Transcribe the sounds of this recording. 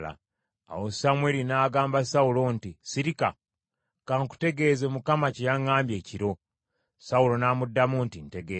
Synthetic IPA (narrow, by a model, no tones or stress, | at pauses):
la̰ | a̰wosamwe̞linaːɡaːmbasaulo̞ntisiɾika | kaŋku̥te̞ɡe̞ːzemukamacejaŋːaːmbje̞ːciɾo̞ | saulo̞naːmudːamuntinte̞ɡe